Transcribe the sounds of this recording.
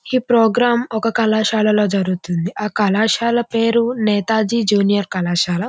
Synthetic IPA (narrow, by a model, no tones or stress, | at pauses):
iːpɾoːɡɾaːmɔkɐkɐlaːʃaːlɐlo̞ːd͡ʒɐɾuɡut̪und̪iʔaːkɐlaːʃaːlɐpeːɾunɛːt̪aːd͡ʒiːd͡ʒuːnijɐɾkɐlaːʃaːlɐ